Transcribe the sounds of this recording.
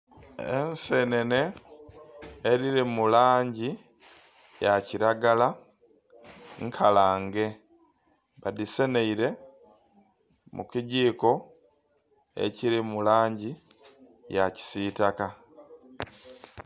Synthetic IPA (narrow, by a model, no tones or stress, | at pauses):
ense̞ne̞ne̞ | ɾiɾimulaːɲɟi | jaciɾaɡala | ŋkʰalaːŋɡe̞ | βadise̞ne̞iɾe̞ | mṵkiɟiːko̞ | e̞̰ciɾimulaːɲɟi | jaci̥sitaka